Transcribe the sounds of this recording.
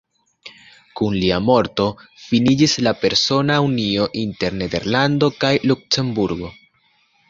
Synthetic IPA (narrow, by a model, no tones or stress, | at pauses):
kunliamo̞ɾto̞finid͡ʒislape̞ɾso̞naunio̞ʔinte̞ɾne̞d̪e̞ɾlando̞kajluk̚se̞mbuɾɡo̞